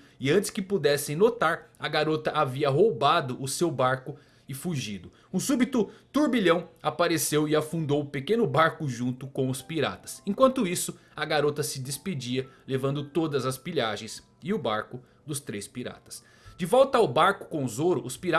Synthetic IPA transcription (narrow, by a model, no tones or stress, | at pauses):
ɪɐ̃t͡ʃɪ̥skɪpud̪ɛsẽj̃not̪aɾɐɡaɾot̪ɐʔaviɐɦowbad̪ʊʔʊsewbaɾkʊ | ɪfuʒid̪ʊ | ũsubit̪ʊt̪uɾbiʎɐ̃w̃apaɾesewɪafũnd̪owʊpekẽnʊbaɾkʊʒũnt̪ʊkõʊspiɾa̰t̪ɐ̥sẽkwɐ̃nt̪ʊisʊɐɡaɾot̪ɐsɪd͡ʒ̪ɪsped͡ʒiɐlevɐ̃nd̪ʊt̪od̪ɐzɐspiʎaʒẽj̃s | ɪʊbaɾkʊ | d̪ʊst̪ɾespiɾa̰t̪ɐ̥s | d͡ʒɪvɔwt̪ɐawbaɾkʊ̥kõʊzoɾʊʔʊspiɾa